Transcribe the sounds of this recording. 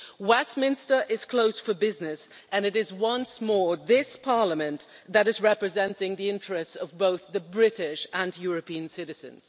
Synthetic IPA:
wɛsmɪ̃nstə˞ʔɪz̥kʰl̥oʊsfə˞bɪznɨs | ɨ̃nɨɾɨzwʌ̃nsmɔɹðɪspʰɑɹləmɨ̃n | ðɨɾɨzɹɛpɹɨzɛ̃ntɪ̃ŋðiɪ̃nt͡ʃɹ̥ɨstsʌvboʊθðɨbɹɪɾɪʃə̃njʊɹɨpiɨ̃nsɪɾɨz̥ɨ̰̃nz̥

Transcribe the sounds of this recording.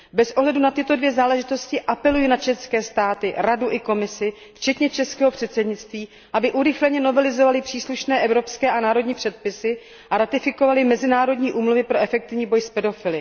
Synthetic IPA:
bɛsʔo̞ɦlɛdunat̪ɪt̪o̞dvjɛzaːlɛʒɪt̪o̞scɪʔapɛlujinat͡ʃɛnskɛːst̪aːt̪ɪɾaduʔɪko̞mɪsɪ | ft͡ʃɛt̪ɲɛt͡ʃɛskɛːɦopr̥ɛt̪sɛdɲɪtt͡st̪viː | ʔabɪʔuɾɪxlɛɲɛno̞vɛlɪzo̞valɪpr̝̥iːsluʃnɛːʔɛvɾo̞pskɛːʔanaːɾo̞dɲiːpr̝̥ɛt̪̚pɪsɪ | ʔaɾat̪ɪfɪko̞valɪmɛzɪnaːɾo̞dɲiːʔuːmluvɪpɾo̞ʔɛfɛk̚t̪ɪvɲiːbo̞jspɛdo̞fɪlɪ

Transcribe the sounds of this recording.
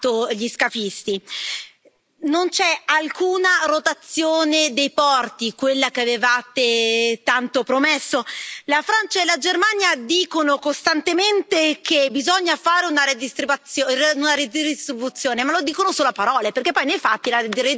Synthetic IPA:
oʎiskafist̪i | nont͡ʃɛalkuːnarot̪at̪sːjoːned̪ejpɔrt̪ikwelːakeavevaːt̪et̪ant̪opɾomesːolafɾant͡ʃaelad͡ʒermanjad̪iːkonokost̪ant̪ement̪ekʰebizɔɲːafaːɾeunaɾed̪ist̪ɾibat̪ːjoeunaɾed̪idist̪ɾibut̪sːjoːnemalod̪iːkonosoːlapaɾɔːleperkepːɔjnejfat̪ːilare

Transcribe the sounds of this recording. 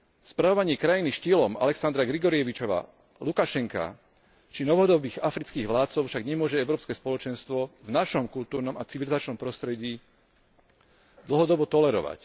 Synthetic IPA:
spɾaʋɔʋaɲɪɛkɾajiniʃcilɔma̰lɛksand̪ɾaɡɾiɡɔɾijɛʋit͡ʃɔʋa̰ː | lukaʃɛŋka̰ | t͡ʃinɔʋɦɔd̪ɔbiːɣafɾit͡skiːɣʋlaːt̪t͡sɔʊfʃaɡɲɛmʊɔʒɛɛʊɾɔːpskɛspɔlɔt͡ʃɛnst̪ʋɔvnaʃɔmkult̪uːɾnɔmat͡siʋilizat͡ʃnɔmpɾɔst̪ɾɛɟiː | d̪l̩ɦɔd̪ɔbɔt̪ɔlɛɾɔ̰ʋa̰c

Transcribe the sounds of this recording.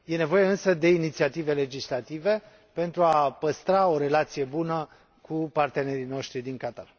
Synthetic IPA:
je̞ne̞vo̞je̞ɨnsəd̪e̞init̪siat̪ive̞le̞d͡ʒislat̪ive̞ | pe̞nt̪ɾuapəst̪ɾao̞ɾe̞lat̪sije̞bunə | kʰupart̪e̞ne̞ɾino̞ʃt̪ɾid̪iŋkat̪a̰l

